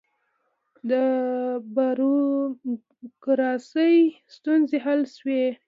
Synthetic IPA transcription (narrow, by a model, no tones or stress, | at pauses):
d̪əbaɾ | kɾɑsəjst̪unzeɦalʃwe